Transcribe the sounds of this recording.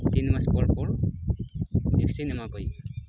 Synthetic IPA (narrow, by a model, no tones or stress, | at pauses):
t̪inmaspɔɹpɔɹ | iksinɛmakɔj